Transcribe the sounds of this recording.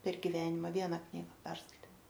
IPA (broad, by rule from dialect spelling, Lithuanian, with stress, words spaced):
pʲɛr ɡʲɪˈʋʲæːnʲɪmɐ ˈʋʲiɛnɐ ˈknʲiːɡɐ ˈpʲɛrskɐɪtʲeː